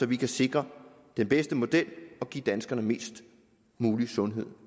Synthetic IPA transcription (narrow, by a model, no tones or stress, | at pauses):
sɒ̽ʋikʰæse̝ɡ̥ʁɐ | d̥enb̥esd̥əmo̝d̥el̰ɒ̽ɡ̥ḭːd̥ænsɡ̥ɐnəme̝̰ːsd̥ | muːlisɔ̽nɦe̝ð̰ˠ